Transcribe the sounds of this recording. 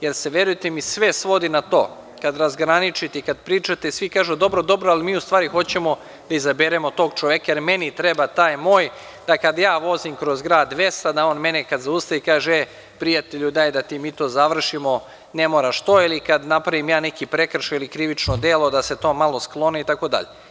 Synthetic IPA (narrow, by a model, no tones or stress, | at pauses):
je̞ɾseʋje̞ɾujet̪emisʋe̞sʋo̞d̪inat̪o̞̰ː | kad̪ɾazɡɾanit͡ʃit̪ikad̪pɾiːt͡ʃat̪esʋikaːʒud̪o̞bɾo̞d̪o̞bɾoalimiːust̪ʋaːɾixo̞t͡ɕe̞mo̞ | d̪̥aizabeɾemo̞t̪o̞ːɡ̚t͡ʃoʋjekajeɾme̞nit̪ɾe̞bat̪aːjmo̞ːj | d̪̥akad̪jaːʋo̞zimkɾo̞zɡɾaːd̪ʋe̞st̪ad̪ao̞ːnme̞nekad̪zaust̪aʋikaːʒee | pɾijat̪eʎud̪aːjd̪at̪imiːt̪o̞ːzaʋr̩ʃimo̞ | ne̞mo̞ːɾaʃt̪o̞ːilˠikad̪napɾaʋimjaːnekipɾe̞kr̩ʃeilikɾiʋit͡ʃnod̪elˠo̞d̪ase̞t̪o̞ːmalˠo̞sklˠo̞neit̪ako̞d̪a̰ʎe